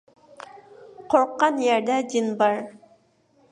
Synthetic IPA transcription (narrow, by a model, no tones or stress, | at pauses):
qʰoɾqːɑnjɑɾd̪ɑd̪inbɑɾ